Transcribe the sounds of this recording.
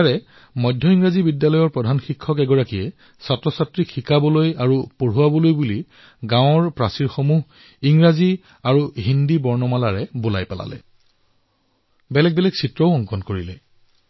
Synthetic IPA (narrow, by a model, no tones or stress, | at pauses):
aɹɛ | mɔjdʱːɔiŋɹazibidjalɔjɔɹpɹɔdʱanxikʰːɔkɛɡɔɹakijɛ | satɹɔsatɹikxikabɔlojaɹupoɹuwabɔlojbuli | ɡãwɔɹpɹasiɹxomuɦ | iŋɹazi | aɹuɦindibɔɹnɔmalaɹɛbola̰jpala̰lɛ̰ | bɛlɛk̚bɛlɛɡsitɹɔʊɔŋkɔnkoɹilɛ